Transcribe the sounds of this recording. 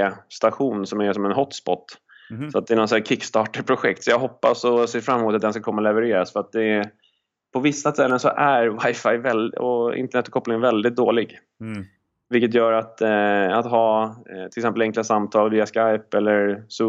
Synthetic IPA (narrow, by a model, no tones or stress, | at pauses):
st̪aɧuːnsɔmæsɔmɛnɦɔt̪ːspɔ̰t̪ː | sɔat̪̚d̪ɛːnɔt̪sːkʰɪkːst̪ɑːʈəɾpʰɾʊɧɛ̰kt̪sɔjɑːɡɦɔpːasɔseːɾfɾamːmuːt̪at̪̚d̪ɛnskakʰɔmːalɛvəɾeːɾasfœɾat̪̚d̪ɛ | pʰɔvɪsːast̪ʰɛlːənsɔʔæɾvajfajvɛlɔ̰ɪ̰nt̪əɳɛt̪ːɔ̥kʰɔpːlɪŋvɛld̪ɪt̪̚d̪oːlɪɡ | vɪlkːət̪̬jœːɾat̪at̪ɦɑːt̪ʰɪlɪksɛmpəlɛŋklasamt̪ʰɑːlviːaskajpɛlːəɾsu